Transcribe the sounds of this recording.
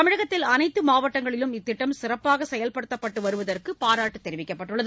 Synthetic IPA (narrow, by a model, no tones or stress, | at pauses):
t̪ɐmɪɻɐɣɐt̪ːɪlɐnɐɪt̪ːɯmaːʋɐʈːɐŋɡɐɭɪlɯmɪt̪ːɪʈːɐmsɪrɐpːaːɣɐsɛjɐlpɐɽɯt̪ːɐpːɐʈːɯʋɐɾɯʋɐðɐrkɯpaːɾaːʈːɯt̪ːɛɾɪʋɪkːɐpːɐʈːɯɭːɐðɯ